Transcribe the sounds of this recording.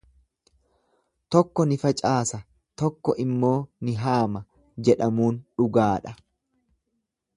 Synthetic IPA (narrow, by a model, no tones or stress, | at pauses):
t̪ɔkːɔnɪfɐt͡ʃʼaːsɐ | t̪ɔkːɔʔɪmːo̞ːnɪɦaːmɐ | d͡ʒɛᶑɐmuːnᶑʊɡaːᶑɐ